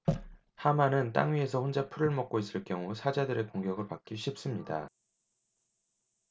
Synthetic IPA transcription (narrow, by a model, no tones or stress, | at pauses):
hamanɯnt͈a̰ŋɥie̞s̬ʰʌɸond͡ʑapʰuɾɯɭmʌk͈̚ois͈ɯɭk͈jʌŋusʰad͡ʑadɯɾe̞koŋɡjʌɡɯɭpak͈̚iɕʰip̚s͈ɯmɲida̰